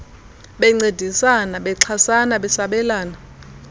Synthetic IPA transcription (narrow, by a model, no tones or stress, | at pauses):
ɓɛŋ͡ǀed̥ʱisanaɓɛǁʰasanaɓɛsaɓɛlaːna